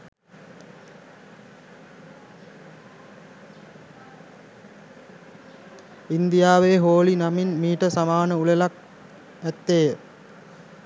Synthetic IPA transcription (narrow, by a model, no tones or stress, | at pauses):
ind̪ijaːʋeːɦoːlinaminmiːʈəsamaːnəulelak̚ | æt̪ːeː